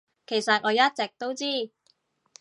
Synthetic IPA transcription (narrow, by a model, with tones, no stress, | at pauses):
kʰe˨˩jsɐ˨t̚ŋɔː˨˧jɐ˥t̚t͡sɛ˨k̚t̪o˥wt͡siː˥˩